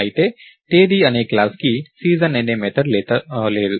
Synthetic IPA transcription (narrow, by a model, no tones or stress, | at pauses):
it̪eʈeːd̪iɐneːkːlaːskisiːzənẽnemeːt̪əɾleleːl